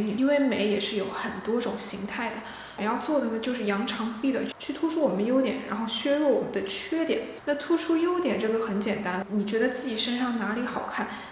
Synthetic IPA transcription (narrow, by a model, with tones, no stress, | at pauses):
ni˨˩i˥nwe˥˩ɪme˧˥ɪjɛ˨˩ʂɻ̩˥˩jo˧˥ʊxə˨˩nt̪wɔ˥ʈ͡ʂʊ˨˩ŋɕi˧˥ŋt̪ʰa˥˩ɪd̪ə˩ | jɑ˥˧ʊt͡swɔ˥˩d̪ə˩nə˩t͡ɕjo˥˧ʊʂɻ̩˥˩jɑ˧˥ŋʈ͡ʂʰɑ˧˥ŋpi˥˩d̪ə˩t͡ɕʰy˥˩t̪ʰu˥ʈ͡ʂʰu˥wɔ˨˩mə˦n˦jo˥ʊt̪jɛ˨˩nɻa̰˧˥nxo˥˩ʊɕɥɛ˥ɻwɔ˥˩wɔ̰˨˩mə˦nd̪ə˧t͡ɕʰɥɛ˥t̪jɛ̰˨˩˦nna˥˩t̪ʰu˥ʈ͡ʂʰu˥jo˥ʊt̪jɛ˨˩nʈ͡ʂɤ˥˩ɡə˩xə˧˥nt͡ɕjɛ˨˩nt̪a˥nə˩ni˨˩t͡ɕɥɛ˧˥d̪ə˧t͡sɹ̩˥˩t͡ɕi˨˩ʂə˥nʂɑ˥˩ŋna˧˥li˧˥xɑ˨˩ʊkʰa˥˩n